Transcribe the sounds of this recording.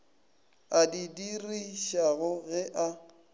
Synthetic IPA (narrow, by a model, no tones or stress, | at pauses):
adidiriʃaɣʊɣɛʔa